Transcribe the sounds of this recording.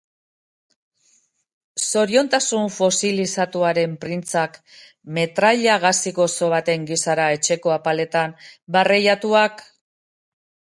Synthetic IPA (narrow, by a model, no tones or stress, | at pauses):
so̞ɾio̞nt̪asuɱfo̞silisat̪uaɾe̞mpɾint͡sak | me̞t̪ɾaʎaɣ̞asiko̞so̞βat̪e̞ŋɡisaɾae̞t͡ʃe̞ko̞apale̞t̪ambarejat̪uak